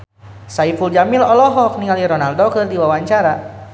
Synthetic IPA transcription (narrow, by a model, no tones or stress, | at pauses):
saifuld͡ʒamilɔlɔɦɔk̚niŋaliɾɔnaldokɨrdiwawaɲt͡ʃaɾa